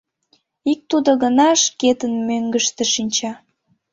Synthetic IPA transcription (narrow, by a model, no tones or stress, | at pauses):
ik̚t̪ud̪oɣənɑʃket̪ənmøŋɡəʃt̪eʃinʲt͡ɕɑ